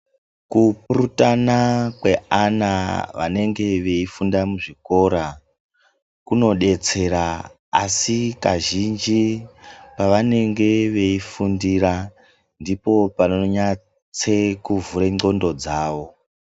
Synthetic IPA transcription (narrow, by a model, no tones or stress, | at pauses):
kupuɾutanakwe̞anaʋa̰ne̞ŋɡe̞ʋe̞ifundamuʐiko̞ɾa | kuno̞ɗe̞t͡se̞ɾa | asikaʒind͡ʒi | paʋane̞ŋɡe̞ʋe̞ifundiɾa | ndipo̞panoɲa | t͡se̞kuvuɾeŋ͡ǀo̞ndo̞d͡zaːʋo̞